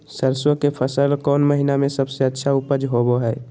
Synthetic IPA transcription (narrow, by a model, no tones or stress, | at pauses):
səɾswəkepʰəsəlkɔːnməɦinamẽsəbseətːʃʰaʊpəd͡ʒɦoboɦɛː